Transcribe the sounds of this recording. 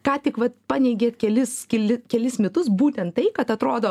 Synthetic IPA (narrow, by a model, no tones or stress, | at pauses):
kɑːt̪ʲɪkʋɐt̪pɑːnʲɛɪɡʲeːt̪kʲɛlʲɪskʲɛlʲɪkʲɛlʲɪsmʲɛt̪ʊsbuːt̪ʲɛnt̪̚t̪ɐɪkɐt̪ɐt̪ɾoːd̪oː